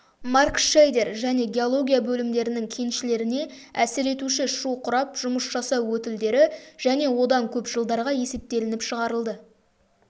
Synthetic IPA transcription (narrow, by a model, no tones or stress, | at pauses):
mɑrkʃejd̪e̞ɾʒæne̞ɡʲe̞o̞lˠo̞ɡʲijabɵlɪmd̪e̞ɾɪnɪŋkʲʰe̞nʃɪle̞ɾɪne̞ | æsɪɾe̞t̪uʃɪʃuqʰʊɾɑpʒ̥ʊməsʒɑsɑwwɵt̪ɪld̪e̞ɾɪʒ̥æne̞wo̞d̪ɑŋkʲʰɵpʒəlˠd̪ɑɾʁɑje̞se̞p̚t̪e̞lɪnɪpʃəʁɑɾəlˠd̪ə